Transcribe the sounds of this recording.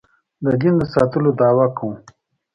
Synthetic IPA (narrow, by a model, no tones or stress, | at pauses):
d̪əɡind̪əsɑt̪əlod̪ɑːwakũ